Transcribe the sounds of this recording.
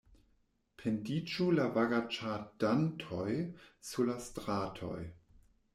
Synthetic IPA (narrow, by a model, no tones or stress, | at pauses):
pʰendit͡ʃulavaɡat͡ʃadantʰojsulastʁatʰo̰j